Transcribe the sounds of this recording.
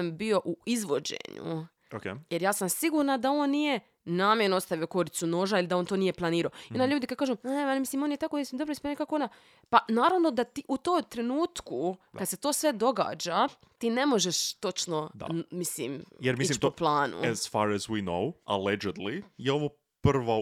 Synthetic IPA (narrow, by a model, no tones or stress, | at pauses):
mbio̞ʔuizʋo̞d͡ʑḛɲṵ | okejeɾjaːsamsiɡuːɾnad̪ao̞ːnːije̞ | naːmjeɾnoost̪aʋio̞ko̞ɾit̪suno̞ːʒailid̪aont̪oːnije̞plˠaniːɾaoionaʎuːd̪ikad̪̚kaːʒuːnealmisliːmo̞ːnjet̪akoesimd̪obɾoispːnkakoona | panaːɾaʋno̞d̪at̪iʔut̪oːmt̪ɾe̞nuːt̪kukad̪se̞t̪o̞ːsʋe̞d̪o̞ɡa̰ːd͡ʒa | t̪iːne̞mo̞ʒeʃt̪o̞t͡ʃnod̪a̰mislḭːmjeɾmisilit̪uplˠaːnṵɛz̥faɾɛzwino̰wa̰led͡ʒed̪lijeoʋo | pr̩ʋo